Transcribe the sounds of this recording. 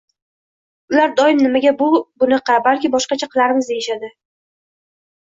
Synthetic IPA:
ʊlaɾd̪ɒɪmnɪmaɡʲabʊbʊnɑqɑbalkʲɪbɒʃqɑt͡ʃʰaqʰɨlˠaɾɪmɪzd̪eɪʃad̪ɪ

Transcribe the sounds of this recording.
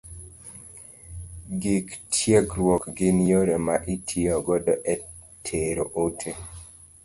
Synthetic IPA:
ɡiktʰjeɡɾwɔkɡɪnjoɾɛmaʔitʰiɔɡɔdɔʔɛ | tʰeɾoʔotʰe

